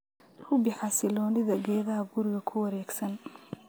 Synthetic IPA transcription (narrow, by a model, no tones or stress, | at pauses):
rʊbɪħɑsɪlɔːnɪðɐɡɛːðɐɦɐɡʊɾɪɣɐkʰʊwɐɾɛːɡsɐn